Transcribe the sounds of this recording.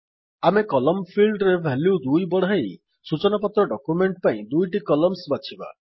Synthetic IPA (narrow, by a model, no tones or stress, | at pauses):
amekɔlɔmpʰilɖɾebʱɛljud̪ujbɔɽ̤aaj | sut͡ʃɔnapɔt̪ɾɔɖɔkjumeɳʈpaĩd̪ujʈikɔlɔmsbat͡ʃʰiba̰